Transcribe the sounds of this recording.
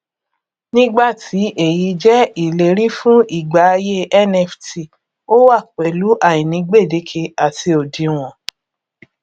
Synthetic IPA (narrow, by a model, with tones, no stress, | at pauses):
nĩ˦ɡ͡ba˦˨tʰi˨˦ʔe˨ji˧d͡ʒɛ˦i˦˨le˨ɾi˦fũ˦i˦˨ɡ͡ba˨˦˧je˦ʔɛ˦nɛ˧fti˨ | o˦wa˦˨k͡pɛ˨lu˨˦ʔa˦˨jĩ˨nĩ˨˧ɡ͡be˦˨de˨˦kʰe˧a˨ti˧o˨di˧w̃ɔ̃˨